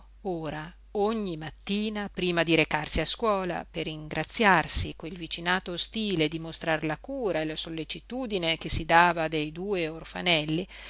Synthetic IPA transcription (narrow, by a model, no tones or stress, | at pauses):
oːɾa | oɲːimat̪ːiːnapɾiːmad̪iɾekarsiaskwɔːla̰perːiŋɡɾʔat̪sːjarsikwelvit͡ʃinaːt̪ost̪iːled̪imost̪ɾarlakuːɾaelasolːet͡ʃit̪uːd̪inekesid̪aːvad̪ejd̪uːeorfa̰nɛlːi